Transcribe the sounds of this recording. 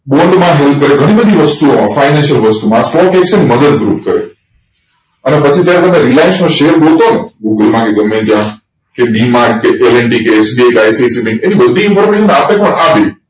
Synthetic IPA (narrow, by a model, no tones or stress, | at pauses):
ɓoɳɖmãɦelp̚ʰkəɾeɡʱəɽ̃ĩbəd̪ʱiʋəst̪uomãfaɪnɛ̃nʃəlʋəst̪umãsʈɔkɛkʃənməd̪əd̪̚ɡɾuːp̚kəɾḛ | ənepət͡ʃʰit̪jaɾekənẽɾilajnsmõʃeəɾbolt̪oneɡuɡəlmãkeɡəmẽd͡ʒã | keɗimaɾɡkeʔeleɳɖikeːsbiekajsisibẽŋkenibəd̪ʱiɪnfʰɔɾmeʃənapẽkoɳabi